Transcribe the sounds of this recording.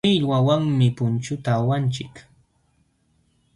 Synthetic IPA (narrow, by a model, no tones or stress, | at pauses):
ɪʎwawaŋmɪpʊnt͡ʃʊt̪aːwant͡ʃɪk